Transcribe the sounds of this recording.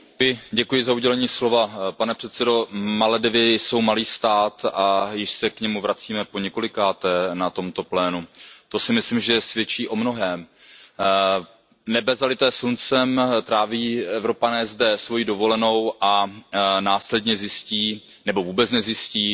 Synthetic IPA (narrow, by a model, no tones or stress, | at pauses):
jɪɟɛkujɪzauɟɛlɛɲiːslo̞vapanɛpr̥ɛt̪t͡sɛdo̞malɛdɪvɪso̞wmaliːst̪aːt̪ʔajɪʃsɛkɲɛmuvɾat͡siːmɛpo̞ɲɛko̞lɪkaːt̪ɛnat̪o̞mt̪oplɛːnut̪o̞sɪmɪslɪmʒɛsvjɛt͡ʃiːʔo̞mno̞ɦɛːm | nɛbɛzalɪt̪ɛːsunt͡sɛmt̪ɾaːviːɛvɾo̞panɛːzdɛsvo̞jiːdo̞vo̞lɛno̞wʔanaːslɛdɲɛzjɪsciː | nɛbo̞vuːbɛt͡snɛzjɪsciː